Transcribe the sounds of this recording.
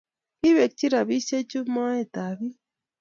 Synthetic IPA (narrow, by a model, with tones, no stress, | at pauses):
ki˦βe˨k̚ci˦ɾa˨βi˦se˦t͡ʃu˦ma˦e˦ta˨βi˦